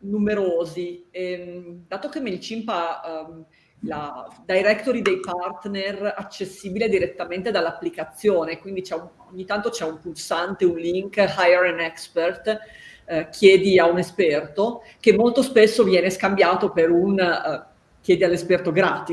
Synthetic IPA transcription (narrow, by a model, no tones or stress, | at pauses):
numeɾoːziemd̪aːt̪ok̟emːeilt͡ʃimpam | lad̪ajɾɛkt̪oɾid̪ejpart̪nerat͡ʃːesːiːbiled̪iɾet̪ːament̪ed̪alːapːlikat̪sːjoːnekwind̪it͡ʃɛun | oɲːit̪ant̪ot͡ʃɛumpulsant̪eunliŋkɦajeɾanɛkspert̪ | kʰjɛːd̪iaunespɛrt̪o | kemːolt̪ospesːovjɛːneskambjaːt̪opeɾun | kjɛːd̪ialːespɛrt̪oɡɾaːt̪i